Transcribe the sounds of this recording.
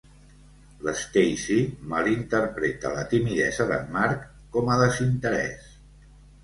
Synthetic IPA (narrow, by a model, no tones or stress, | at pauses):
ləsk̪ejsiməlint̪əɾpɾet̪ə̰lət̪imiðɛ̰zəðə̰mmaɾkː | ɔməðəzint̪əɾɛ̰s